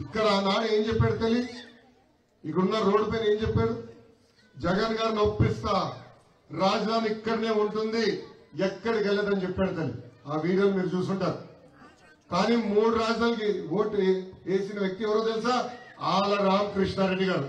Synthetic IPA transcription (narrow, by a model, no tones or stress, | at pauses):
ikːɐɽɐaːnaːɽie̞ːɲd͡ʒɛpːaːɽut̪ɐli | ikɐɽunːɐɾo̞ːɽipejneːɲt͡ʃɛpːeːɽu | d͡ʒɛɡɐnɡaːɾinopːist̪ɐ | ɾaːd͡ʒɐd̪ʱaːniikːɐɽine̞ːuɳʈund̪iɛkːɐɽikɐlːeːd̪ɐnit͡ʃɛpːaːɽut̪ɐlḭaːʋiːɽijoːnmiːɾut͡ʃuːsuɳʈaːɾu | kaːniːmuːɽuɾaːd͡ʒd̪aːnɐk̬iwo̞ːʈeːsinɐʋjɐk̚t̪iɛʋɐɾoːt̪elsaːaːlɐɾaːmkɾiʂɳaɾe̞ɖːiɡaːɾu